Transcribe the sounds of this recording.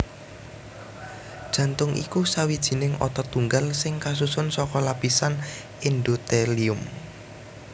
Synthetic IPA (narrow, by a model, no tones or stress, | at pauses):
d̥ʒ̥ä̤nt̪ʊŋʔḭkusawid̥ʒ̥i̤nɪŋʔɔ̰t̪ɔt̪uŋɡalsɪŋkas̬usʊnsɔkɔlapisan | ind̪ot̪eliʊm